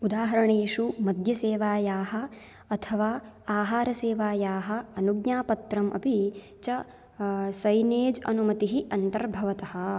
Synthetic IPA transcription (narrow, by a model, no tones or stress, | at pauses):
ud̪aːɦɐɾɐɳeːʃumɐd̪ʱjɐseːʋaːjaːɦɐ̆ | ɐt̪ʰɐʋaːaːɦaːɾɐseːʋaːjaːɦɐ̆ɐnuɡɲaːpɐt̪ɾɐmʔɐ̰pi | t͡ʃɐ | sɐjneːd͡ʒɐ̰numɐt̪iɦiʔɐnt̪ɐɾbʱɐʋɐt̪ɐɦɐ̆